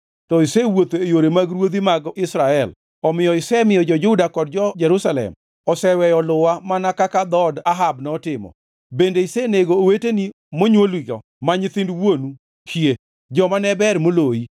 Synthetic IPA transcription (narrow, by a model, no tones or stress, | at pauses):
tɔɪsɛwot̪oejoɾemaɡɾwod̪imaɡɔʔɪsɾaɛl | ɔmɪjɔɪsɛmɪjɔd͡ʒɔd͡ʒʊdakɔd̚d͡ʒɔd͡ʒɛɾusalɛ̰m | ɔsɛwɛjɔlʊwamanakakad̪ɔdaɦabnɔtɪmɔ̰ | bendeɪseneɡoːweteni | moɲwolwiɡɔ̰ | maɲɪt̪ɪndwonu | kie | d͡ʒɔmanɛbɛɾmoloi